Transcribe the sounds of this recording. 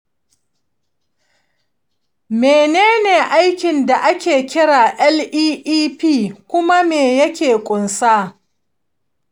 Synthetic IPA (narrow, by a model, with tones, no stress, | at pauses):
meː˨neː˦neː˨ʔa˦jkʲɪ˨nda˨ʔa˦kʲeː˨kʲɪ˦ɽaː˨ʔɛ˦lʔiː˦ʔiː˦piː˦˨kʷʊ˦ma˦meː˨jɐ˦kʲeː˨kʷʼʊ˨nsaː˦